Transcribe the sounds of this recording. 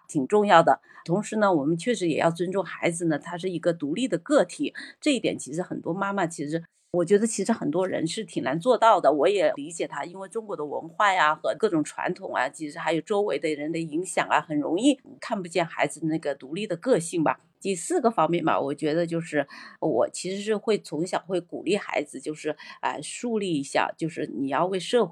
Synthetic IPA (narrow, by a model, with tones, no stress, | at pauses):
t̪ʰi˨˩ŋʈ͡ʂʊ˥˧ŋjɑ˥˩ʊd̪ə˩ | t̪ʰʊ˧˥ŋʂɻ̩˧˥nə˧˨wɔ˨˩mə˧˦nt͡ɕʰɥɛ˥˩ʂɻ̩˧˥jɛ̰˨˩jɑ̰˥˩ʊt͡swə˥nʈ͡ʂʊ˥˩ŋxa˧˥ɪd͡zɹ̩˧nə˩t̪ʰa˥ʂ̬ɻ̩˥˩i˧˥ɡə˧t̪u˧˥li˥˩d̪ə˩kɤ˥˩t̪ʰi˨˩˦ʈ͡ʂɤ˥˧i˥t̪jɛ̰˨˩nt͡ɕʰi˧˥ʂɻ̩˧˥xə˨˩nt̪wɔ˥ma˥ma˨t͡ɕʰi˧˥ʂɻ̩˧˥ | wɔ˨˩t͡ɕɥɛ˧˥d̪ə˧t͡ɕʰi˧˥ʂɻ̩˧˥xə˨˩nt̪wɔ˥ɻə̰˧˥nʂɻ̩˥˩t̪ʰi˨˩ŋna˧˥nt͡swɔ˥˧t̪ɑ˥˩ʊd̪ə˩wɔ˧˥jɛ˨˩li˧˥t͡ɕjɛ˨˩t̪ʰa˥i˥nwe˥˩ɪʈ͡ʂʊ˥ŋkwɔ˧˥d̪ə˧wə̰˧˥nxwa˥˩ɪɐ˩xɤ˧˥kɤ˥˩ʈ͡ʂʊ˨˩ŋʈ͡ʂʰwa̰˧˥nt̪ʰʊ˨˩˦ŋɐ̰˦t͡ɕʰi˧˥ʂɻ̩˧˥xa˧˥ɪjo˨˩ʊʈ͡ʂo˥ʊwe˧˥ɪd̪ə˧ɻə˧˥nd̪ə˧i˧˥ŋɕjɑ̰˨˩ŋə̰˦xə˨˩nɻʊ̰˧˥ŋi˥˩kʰa˥˩npu˧t͡ɕjɛ˥˩nxa˧˥ɪd͡zɹ̩˧na˥˩ɡə˩t̪u˧˥li˥˩d̪ə˩kɤ˥˧ɕi˥˩ŋbɐ̰˩ | t̪i˥˧sɹ̩˥˩ɡə˩fɑ˥ŋmjɛ˥˩nbɐ̰˩wʔɔ̰˨˩t͡ɕɥɛ˧˥d̪ə˧t͡ɕjo˥˧ʊʂɻ̩˥˩wɔ̰˨˩t͡ɕʰi˧˥ʂɻ̩˧˥ʂɻ̩˥˧xwe˥˩ɪt͡sʰʊ˧˥ŋɕjɑ˨˩ʊxwe˥˩ɪkṵ˨˩li˥˩xa̰˧˥ɪd͡zɹ̩˧t͡ɕjo˥˧ʊʂɻ̩˥˩ə̰˧ʂu˥˧li˥˩i˧˥ɕja̰˥˧t͡ɕjo˥˧ʊʂɻ̩˥˩ni˨˩jɑ˥˧ʊwe˥˧ɪʂɤ˥˧x